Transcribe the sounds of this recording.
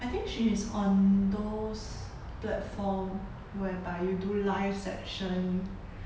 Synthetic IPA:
ʔajt̪ĩŋkʃisɔ̃nd̪os | plɛtfɔm | wɛbaɪjudulaɪfsɛkʃə̃n

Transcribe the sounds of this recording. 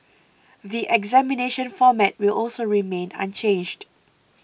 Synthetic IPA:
ðiʔɛɡzɛmineʃə̃nfɔmɛt̚wɪlʔɔlsoɹimẽnã̰nt͡ʃẽnd͡ʒd

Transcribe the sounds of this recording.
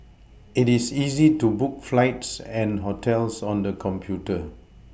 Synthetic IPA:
itisizitubuk̚flaɪtsɛ̃nɦotʰɛlsɔ̃ndəkʰɔ̃mpʰjutə

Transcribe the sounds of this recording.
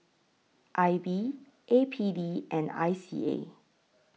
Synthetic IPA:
ʔajbi | ʔepʰidiʔɛ̃na̰jsḭḛ

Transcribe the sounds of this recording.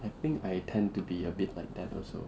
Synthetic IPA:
ajtɪ̃ŋkajtʰɛ̃ntubiəbit̚ʰlajk̚d̪ɛtɔ̰lso̰

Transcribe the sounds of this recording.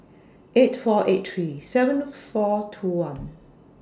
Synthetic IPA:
ʔetfɔʔet̚θɹisɛvə̃nfɔtʰuwãn

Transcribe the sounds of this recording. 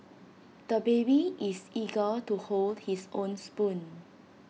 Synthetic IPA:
d̪̥əbebiʔisiɡətuholdhisõnspũn

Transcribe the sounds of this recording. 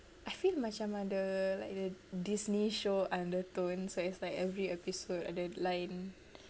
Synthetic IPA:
ʔajfilmat͡ʃãmãdəla̰ɪk̚dədisniʃoʔãndət̪õnsoitslajkɛvɹiɛpisodɔ̰dəlãjn

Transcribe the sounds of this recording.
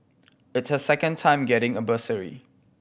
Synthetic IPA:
ɪtsəsɛkə̃ntʰãɪ̃mɡɛɾɪ̃ŋəvəsəɹḭ

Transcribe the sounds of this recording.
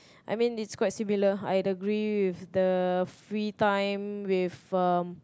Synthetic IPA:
ʔa̰jmĩnitskwajt̚similəa̰jəɡɹiwɪfdəfɹitãjmwifʌm

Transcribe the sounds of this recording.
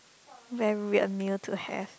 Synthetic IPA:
vɛɹiə̰miltʰuhɛ̰f

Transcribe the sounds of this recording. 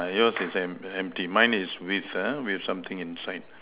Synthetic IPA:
jɔsisɛ̃mɛ̃m̚timãɪ̃niswiθawiɛfsãmt̪ɪ̃ŋĩnsaɪd̚

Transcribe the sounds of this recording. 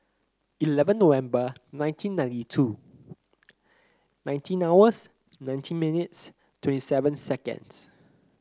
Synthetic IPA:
ilɛvə̃nːowɛ̃mbənãɪ̃ntʰĩnːãj̃ntitʰu | nãɪ̃ntʰĩnawəs | nãj̃ntʰĩnminits | twɛ̃ntisɛvə̃nsɛkə̰̃ns

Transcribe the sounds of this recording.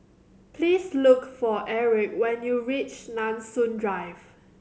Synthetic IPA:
pʰliːslʊkfɔʔɛɹɪkwɛ̃njuɹit͡ʃnãnsũndɹaɪv

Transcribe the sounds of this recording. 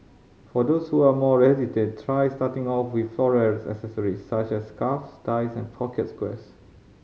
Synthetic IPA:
fɔdoshuamɔɹɛsitẽtʰɹajstatɪ̃ŋɔfwið̥flɔɹɛɹsɛ̰ksəsəɹissat͡ʃɛskafstaɪsɛ̃npʰɔkʰɛtskwɛ̰s

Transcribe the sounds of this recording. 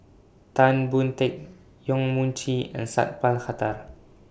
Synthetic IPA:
t̪anbunt̪ɛk̚ | jɔŋmunt͡ʃʰia̰nsa̰t̪̚palxat̪ar

